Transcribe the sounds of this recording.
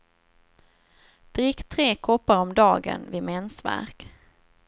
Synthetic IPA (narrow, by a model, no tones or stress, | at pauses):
d̪̥ɾɪkt̪ʰːɾeːkʰɔpːaɾɔmd̪ɑːɡə̰nvɪmɛnsvæ̰ɾk